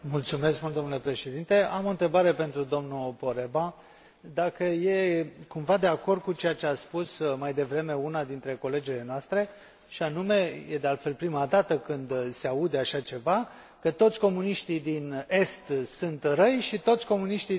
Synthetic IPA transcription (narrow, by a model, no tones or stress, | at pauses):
mult̪sume̞skmult̪d̪o̞nule̞pɾe̞ʃe̞d̪int̪e̞amo̞nt̪ɾe̞baɾe̞pe̞nt̪ɾud̪o̞mnupo̞ɾe̞ba | d̪akəje̞kumvad̪e̞ako̞rd̪̚kut͡ʃe̞jat͡ʃeaspusmajd̪e̞vɾe̞me̞unad̪int̪ɾe̞ko̞le̞d͡ʒile̞noast̪ɾe̞ | ʃianume̞je̞d̪e̞alt̪fe̞lpɾimad̪at̪əkɨnd̪seaud̪eaʃat͡ʃe̞va | kət̪o̞t̪sʲko̞muniʃt̪id̪ine̞st̪sunt̪rəjʃit̪o̞t̪sʲko̞muniʃt̪i